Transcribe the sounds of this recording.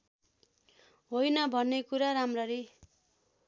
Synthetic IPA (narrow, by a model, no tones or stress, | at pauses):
ɦojnʌbʱʌnːekuɾaɾamrʌɾi